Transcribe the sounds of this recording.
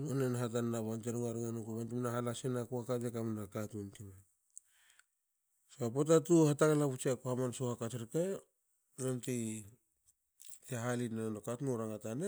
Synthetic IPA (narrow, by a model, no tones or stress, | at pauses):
onenaɦat̬anːaβanteɾŋaɾŋanukuβantimnahalasenakuhakadekamnakatntima | soapot̬atuhataŋalaput͡ʃiakohamansohakateɾke | ɾonti | eɦalinanokatnuɾaŋatane